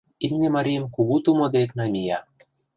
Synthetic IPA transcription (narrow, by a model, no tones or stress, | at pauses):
imnʲemɑɾʲijəmkuɣut̪umod̪eknɑmʲijɑ